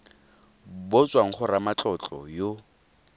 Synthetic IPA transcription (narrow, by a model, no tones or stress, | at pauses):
bot͡sʼwaŋ̩χʊɾamat͡ɬʼɔt͡ɬʼɔjo